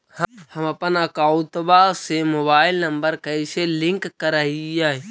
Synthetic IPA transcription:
hhɐmɐpənəkaːʊt̪basemoːbaːɪlnəmbəɾkəiselɪ̃ŋkkəɾaijaːɦ

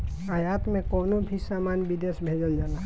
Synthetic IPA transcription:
əjat̪mẽkɔːnobʱisaːmaːnbid̪esbʱed͡ʒəld͡ʒaːna

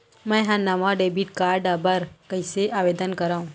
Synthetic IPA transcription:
mɛ̃ːɦãnaːmaɖeːbiːʈkaːɾɖabəɾkɐiseʔaːʋeːd̪ənkɐɾaːũː

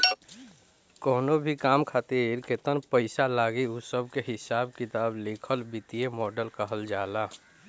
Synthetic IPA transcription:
kɔːnobʱikaːmkʰaːt̪iɾket̪ənpəɪsalaːɡiusəb̚ʱkeɦɪsaːbkɪt̪aːblekʰəlbɪt̪iemɔːɖəlkəɦəld͡ʒaːlaː

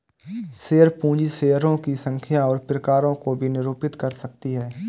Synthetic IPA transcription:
seːəɾpũːd͡ʒiseːəɾõkisə̃ŋkʰijaɔːɾpɾəkaːɾõkobʱinɪɾoːpɪt̪kɐɾsɐk̚t̪iɦɛː

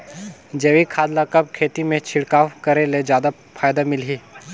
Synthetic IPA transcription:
d͡ʒeːʋikʰaːd̪lakɐb̚kʰeːt̪imẽt͡ʃʰɪɽkaːwkɐɾeled͡ʒjaːd̪a | fʰaːjd̪amɪlɦiː

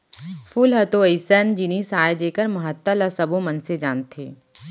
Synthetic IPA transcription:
fʰʊlɦɐt̪oəɪsənd͡ʒinisaːjd͡ʒeːkəɾmɐɦət̪ːələsɐbõmɐnsed͡ʒaːnt̪ʰḛː

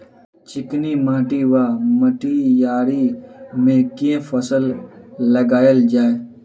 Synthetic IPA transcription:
t͡ʃɪknimãːʈiʋaːməʈijaːɾimẽkefʰəsəlː | əɡaːjəld͡ʒaːeː

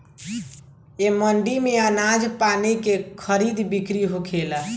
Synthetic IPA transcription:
eməɳɖimeənad͡ʒpanikekʰəɾid̪bikɾiɦokʰelə

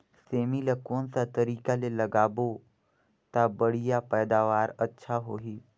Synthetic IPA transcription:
seːmilekoːnsat̪ɐɾiːkalelɐɡaːbo | t̪abəɽ̤ijapɛːd̪aːʋaːɾətːʃʰaɦoːɦiː

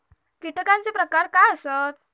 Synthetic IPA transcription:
kiʈəkãnt͡sepɾəkaɾkajəsət̪̚

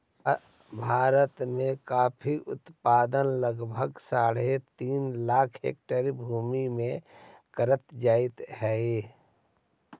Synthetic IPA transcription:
bʱaːɾət̪mẽkaːpʰiʔʊ̰t̪paːd̪ənləɡbʱəɡsaːɽet̪iːnlaːkʰɦḛːk̚ʈəɾibʱuːmimẽkəɾət̪d͡ʒaːɪt̪ɦɛe

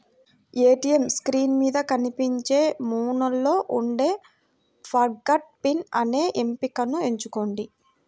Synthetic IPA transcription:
eːʈijemskɾiːnmiːd̪ɐkɐnipiɲt͡ʃe̞ːmuːnɐlːo̞ːʔuɳɖe̞ː | pʰɐɾɡɐʈ̚pinɐ̰neːʔempikɐnue̞ɲt͡ʃuko̞ːɳɖi

